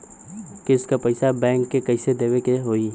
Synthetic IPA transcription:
kɪʊskapɐɪsabɛ̃ːŋkːekɐɪsed̪eːwekeɦoːi

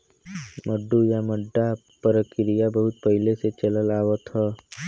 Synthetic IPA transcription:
məɖːujaməɖːa | pəɾəkɪɾijabəɦut̪̚pəɦileset͡ʃələlaʋət̪ɦə

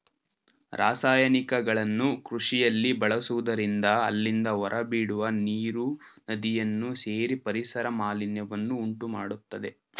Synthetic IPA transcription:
ɾʔaːsaːjɐnikɐɡɐɭɐnːukɾuʂijɐlːibɐɭɐsuʋud̪ɐɾind̪ɐːlːind̪ɐʋɔɾʔɐbiːɽuʋɐniːɾunɐd̪ijɐnːuseːɾipɐɾisɐɾɐmaːlinjɐʋɐnːuːɳʈumaːɽut̪ːɐd̪e̞

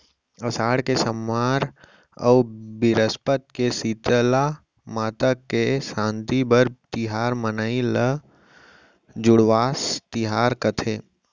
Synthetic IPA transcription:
ɐsaːɽkesəmːaːɾ | ɔ̰ːbɪɾəspət̪̚kesiːt̪əla | maːt̪əkːesãːnt̪ibəɾt̪ɪɦaːɾmənailə | d͡ʒʊɽʋaːst̪ɪɦaːɾkət̪ʰeː

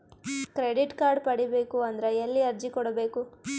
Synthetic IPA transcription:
kɾeɖiʈkaːɾɖpɐɽibe̞ːkuɐnd̪ɐɾeelːiɐɾd͡ʒikɔɽɐbe̞ːku

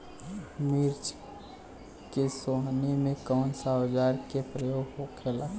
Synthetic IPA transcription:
miɾd͡ʒ | kesoɦnimẽkəwnsad͡ʒaːɾkepɾəjoːɡɦokʰela

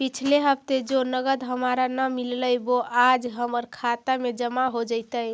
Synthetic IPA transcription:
pit͡ʃʰleɦəbt̪ed͡ʒonəɡəd̪ɦəmaɾanəmilləjboad͡ʒɦəməɾkʰat̪amed͡ʒəmaɦod͡ʒəɪt̪əj

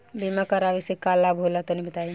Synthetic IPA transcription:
bimakɐɾaːʋesekaːlːabʱoːlat̪onĩbʱət̪aːji

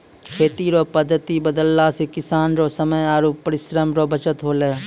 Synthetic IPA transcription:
kʰeːt̪iɾopəd̪ʱːət̪ibəd̪əlːasekɪsaːnɾosəməjaːɾuːpːəɾɪʃɾəmɾobət͡ʃət̪ɦoːleː

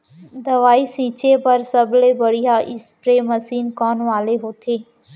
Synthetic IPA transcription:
d̪ɐʋaːisĩːt͡ʃepɐɾsəbleːbəɽijaʔɪspɾeːməsiːnkɔːnʋaːleɦoːt̪ʰeː

